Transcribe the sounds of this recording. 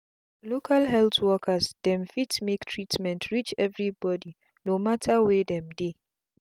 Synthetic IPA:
lokʰalɦɛltwɔkʰasd̥ɛ̃mfitmektʰɹitmɛ̃ntʰɹit͡ʃɛvɹibɔdi | nomatʰawedɛ̃mde

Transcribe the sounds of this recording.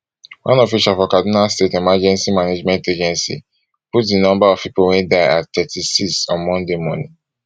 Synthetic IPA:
wã̰nɔfiʃafɔkadinalstetɛmad͡ʒɛ̃nsimaned͡ʒmɛ̃nted͡ʒɛ̃nsḭ | putdinɔ̃mbaɔv̥pipowɛ̃ndaɪa̰ttɛtʰisiksɔ̃nmɔ̃ndemɔnĩ

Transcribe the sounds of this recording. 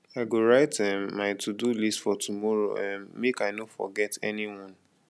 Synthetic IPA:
aɡoɹaɪtɛ̃mmaɪtʰudulistfɔtumɔɹo̰ɛ̃nmekaɪnofɔ̰ɡɛtʰɛniwɔ̃n

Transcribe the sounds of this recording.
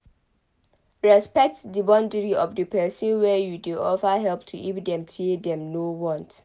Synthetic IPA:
ɹɛspɛk̚tdəbɔ̃ndəɹiɔfdəpɛsə̃nwɛjudeʔɔfaɦɛlptʰuʔifdɛ̃mtʰedɛ̃mnowɔ̃nt

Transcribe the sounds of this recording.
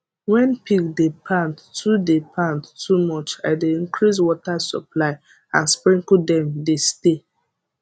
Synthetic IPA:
wɛ̃npikdepʰãnttudepʰãnttːumɔt͡ʃa̰ɪdeĩnkʰɹis̬wɔtasɔ̰plaɪ | ã̰nspɹĩŋkudɛ̃mdeste

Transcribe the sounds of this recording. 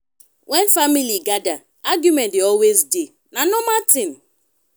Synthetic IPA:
wʔɛnfamiliɡada | aɡjumɛ̃ndeɔlwezde | nanʊmatɪn

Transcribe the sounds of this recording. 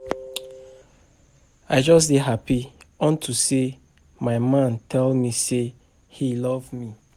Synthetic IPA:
aɪd͡ʒɔs̬deɦapiɔ̃ntʰuse | maɪmãntʰɛlmise | hilɔvmi

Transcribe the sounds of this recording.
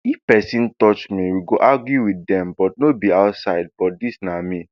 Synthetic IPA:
ifpɛsĩntɔt͡ʃmĩwiɡoʔaɡjuwidɛ̃mbɔt̚nobiaʊtsaɪd̚bɔtdisnamĩ

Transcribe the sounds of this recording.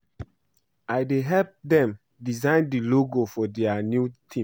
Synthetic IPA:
aɪdeɦɛlp̚dɛ̃m | dizãɪndiloɡofɔdɛanjutʰĩ

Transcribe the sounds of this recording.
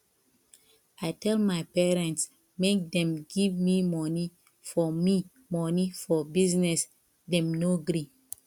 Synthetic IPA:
aɪtɛlmaɪpɛɹɛ̃nts | mek̚dɛ̃mɡivmimɔni | fɔmi | mɔnifɔbiznɛs | dɛ̃mnoɡɾi

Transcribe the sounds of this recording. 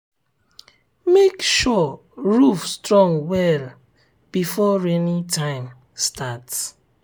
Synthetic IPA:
mekʃɔ | ɹufstɹɔ̃ŋwɛl | b̥ifɔɹɛnitʰãɪ̃m | stats

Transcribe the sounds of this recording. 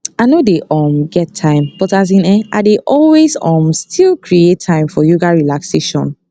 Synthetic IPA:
aɪnodeʔɔmɡɛtʰãɪ̃mpɔtaz̬ĩnɛʔa̰deʔɔlwezɔ̃mstʰilˠkɹiettʰãɪ̃mfɔjoɡaɹilakseʃɔ̰̃n

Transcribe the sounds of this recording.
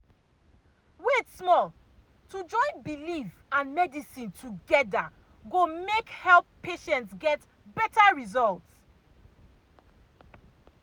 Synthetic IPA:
wetsmɔl | tud͡ʒɔ̃ɪ̃nbilif | ãnmɛdisĩntʰuɡɛda | ɡomekhɛlˠpʰːeʃɛ̃ntsɡɛt | bɛtaɹizɔlts

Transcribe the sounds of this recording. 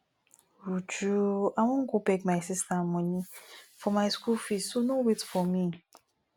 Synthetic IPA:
ɾut͡ʃuaŋʊ̃ŋ̩kubekmajsistamɔnifɔmajskufisunowitfɔmi

